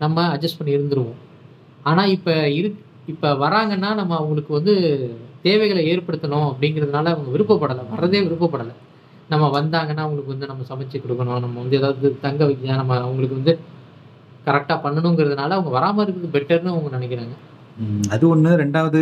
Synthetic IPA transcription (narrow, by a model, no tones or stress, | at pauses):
nɐmːɐɐd͡ʒɐsʈpɐɳːiɪɾɯnd̪ɯɾɯʋõː | aːnaːɪpːɐɪɾɯkː | ɪpːɐʋɐɾaːŋɡɐnːaːnɐmːɐːʋɐŋɡɐɭɯkːɯʋɐnd̪ɯt̪eːʋɐɪɣɐɭeːɾpɐɽɯt̪ːɐɳʊ̃ɐpːɐɽɪŋɡɪɾɐðɯnaːlɐɐʋɐŋɡɐʋɪɾɯpːɐpːɐɽɐlɐʋɐɾːɐðeːʋɪɾɯp̬ːɐpːɐɽɐlɐ | nɐmːɐʋɐnd̪aːŋɡɐnːaːɐʋʊŋɡɐɭɯkːɯʋɐnd̪ɯnɐmːɐsɐmɐt͡ʃːɐkːɔɽɯkːɐɳʊ̃nɐmːɐʋɐnd̪ɯeːðaːʋðɐðɯt̪ɐŋɡɐʋɐkjanɐmːɐɐʋɐŋɡɐɭɯkːɯʋɐnd̪ɯ | kɐɾɛk̚ʈaːpɐɳːɐɳʊ̃ŋɡɪɾɐðɯnaːlɐɐʋɐŋɡɐʋɐɾaːmɐɪɾɯkːɯðɯbɛʈːɐɾnɯɐʋɐŋɡɐnɪnɛk̬ːɪɾaːŋɡɐ | ɐðɯɔnːɯɾɛɳɖaːʋɐðɯ